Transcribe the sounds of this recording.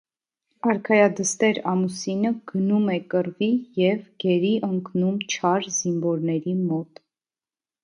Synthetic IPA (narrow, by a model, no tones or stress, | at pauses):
ɑɾkʰɑjɑd̪əst̪ɛɾɑmusinəɡ̥ənumɛkəɾvijɛvɡ̥ɛɾiʔəŋknumt͡ʃʰɑɾzinvɔɾnɛɾimɔt̪